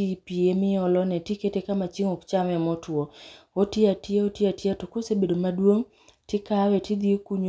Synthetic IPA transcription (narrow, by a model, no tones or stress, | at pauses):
ipiemɪɔlɔnɛtiketekamat͡ʃiŋokt͡ʃamɛmɔtwɔotɪatɪeotjiatatokosebedomadwoŋ | tɪkawɛtid̪iokuɲ